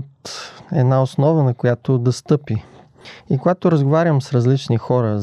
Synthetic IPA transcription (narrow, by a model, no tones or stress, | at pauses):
t̪ɛ̰d̪naosnɔvənɐkojat̪od̪ɐst̪ɤpi | ikoɡat̪oɾəzɡovaɾʲjəmsɾɐzlit͡ʃnixɔɾə